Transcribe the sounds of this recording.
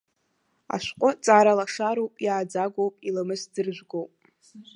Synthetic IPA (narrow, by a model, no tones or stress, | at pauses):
a̰ʃʷqʷʼʊt͡sʼaɾalaʂaɾowpʼiʕad͡zaɡʷowpʼilamɨsd͡zɨrʒᶣʷɡowpʼ